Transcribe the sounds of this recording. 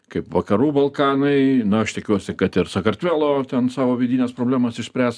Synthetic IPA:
kɐɪpʋɐkɐɾuːbɐlˠkɑːnɐɪnʊɐʃt̪ʲɪkʲuɔsʲɪkɐt̪ɪɾsɐkɐrʲt̪ʲʋʲæːlˠoːt̪ʲɛnsɑːʋoːʋʲid̪ʲiːnʲɛːspɾoːblʲæːmɐsɪʃsʲpʲɾʲæːs

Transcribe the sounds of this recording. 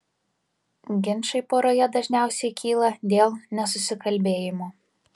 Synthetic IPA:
ɡʲɪnˑʃɐɪpoːɾoːjɛd̪ɐʒʲnʲæˑʊsʲɛɪkʲʰiːlˠɐd̪ʲeːlˠnʲɛs̬ʊsʲɪkɐlʲbʲeːjɪmoː

